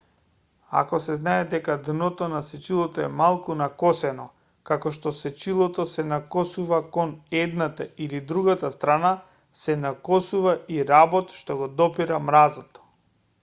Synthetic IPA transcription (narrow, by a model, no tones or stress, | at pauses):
a̰kɔsɛznaɛd̪ɛkad̪nɔt̪ɔnasɛt͡ʃilˠɔt̪ɔɛmalˠkunakɔsɛnɔ | kakɔʃt̪ɔsɛt͡ʃilˠɔt̪ɔsɛnakɔsuvakɔnɛd̪nat̪ailid̪ɾuɡat̪ast̪ɾana | sɛnakɔsuvaiɾabɔt̪ʃt̪ɔɡɔd̪ɔpiɾamɾazɔt̪ɔ̥